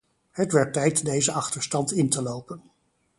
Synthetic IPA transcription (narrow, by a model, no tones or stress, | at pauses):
ɦətʋɛɹtːɛjtdejzəɑχtəɹstɑntɪntəlowpən